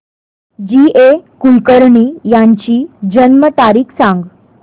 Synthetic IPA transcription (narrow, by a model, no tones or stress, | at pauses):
d͡ʑiekulkəɾɳiːjaɲt͡ɕiːd͡ʑənmət̪aɾiːkʰsãŋɡ